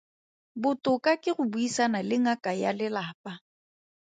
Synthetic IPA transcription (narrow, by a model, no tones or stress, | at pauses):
bʊtʼʊkʼakʼɪɣʊbuisanalɪŋakʼajalɪlaːpʼa